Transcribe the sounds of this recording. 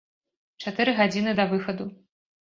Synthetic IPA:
t͡ʂat̪ɨɾɨɣad͡zʲinɨd̪ɐvɨxɐd̪u

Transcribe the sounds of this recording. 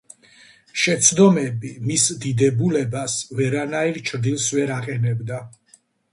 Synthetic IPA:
ʃɛt̪sʰd̪ɔmɛbimisd̪id̪ɛbulɛbasvɛɾanaiɾt͡ʃʰɾd̪ilˠsvɛɾaqʼɛnɛbd̪a

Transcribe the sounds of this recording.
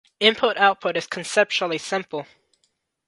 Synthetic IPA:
ɪ̃mpʰʊɾaʊt̚pʰʊɾɨz̥kʰn̩sɛp̚t͡ʃl̩ˠisɪ̃mpl̩ˠ

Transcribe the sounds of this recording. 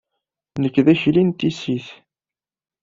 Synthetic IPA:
nəkːðæçlint̪isiθ

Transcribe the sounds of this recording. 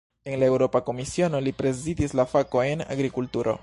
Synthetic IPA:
e̞nlae̞wɾo̞pako̞misio̞no̞lipɾe̞zidislafako̞e̞na̰ɡɾikultuɾʔo̞̰

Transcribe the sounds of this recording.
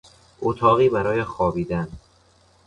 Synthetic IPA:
ʔot̪ʰɒːɣiːbæɾɒːjexɒːbiːd̪æn

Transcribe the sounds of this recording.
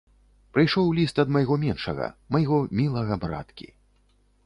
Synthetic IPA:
pɾɨjʂɔwlʲist̪ɐd̪mɐjɣɔmʲɛnʂɐɣɐ̰mɐjɣɔmʲilˠɐɣɐbɾa̰t̪kʲḭ

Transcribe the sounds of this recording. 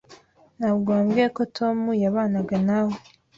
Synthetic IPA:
naβɡoːmɡekotʰo̞mujaβaːnaɡanawo

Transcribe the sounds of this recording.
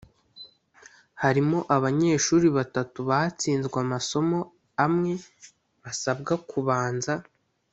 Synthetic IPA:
haɾimo̞ʔaβaɲe̞ːʃuːɾiβatatuβaat͡siːnzɡwamaso̞mo̞ | amŋe̞ | βasabɡakuβaːnza

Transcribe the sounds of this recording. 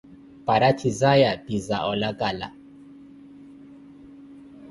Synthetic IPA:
paɾat͡ʃizajabizaʔɔlakala̰

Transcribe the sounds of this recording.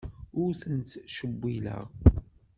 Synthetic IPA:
ʊɾθənt̪ʃəbʷːilə̰ʁ

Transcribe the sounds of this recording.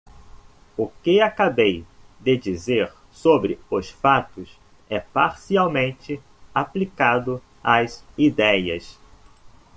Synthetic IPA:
ʊkɪakabejd̪ɪd͡ʒizeɾ | sobɾɪʊsfat̪ʊs | ɛpaɾsiawmẽnt͡ʃɪ | aplikad̪ʊ | azid̪ɛjɐs

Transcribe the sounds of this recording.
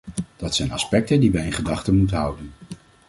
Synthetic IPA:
d̥ɑtsɛjnɑ̰spɛk̚təndiʋɛjɪnχədɑχtəmutənɦʌwdən

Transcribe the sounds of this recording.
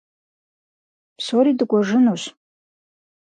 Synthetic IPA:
soɾidɨɡʷʼaʐɨnuɕ

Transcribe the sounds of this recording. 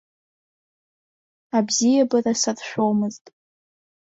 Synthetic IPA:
abzijabɨrasadʃʷᶣowmɨztʼ

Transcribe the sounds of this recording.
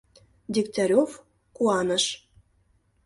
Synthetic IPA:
d̪ʲiktʲɑɾʲof | kuɑnə̆ʃ

